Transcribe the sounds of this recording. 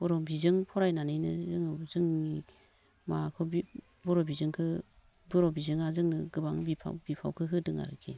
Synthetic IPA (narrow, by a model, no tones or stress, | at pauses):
b̥ɔɾɔbizɯŋpʰɔɾajnanɯjnɯzɯŋɯzɯŋni | makʰɯbi | bɔɾɔbizɯŋkʰɯ | bɔɾɔbizɯŋazɯŋnɯɡɯbaŋbipʰa̰bipʰa̰wkʰɯɦʰɯdɯŋa̰ɾɯkʰi